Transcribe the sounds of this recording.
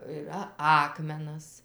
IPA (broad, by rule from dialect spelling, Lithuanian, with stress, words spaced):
ɨˈrɐ ˈɑːkmʲɛnɐs